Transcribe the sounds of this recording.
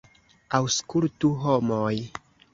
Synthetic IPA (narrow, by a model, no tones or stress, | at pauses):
awskultuɦomoj